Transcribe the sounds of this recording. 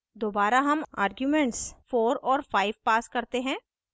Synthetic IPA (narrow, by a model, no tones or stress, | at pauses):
d̪oːbaːɾaɦɐma̰ːɾɡjumɛ̃ɳʈsfoːɾɔːɾfaːɪʋpaːskɐɾt̪eɦɛ̃ː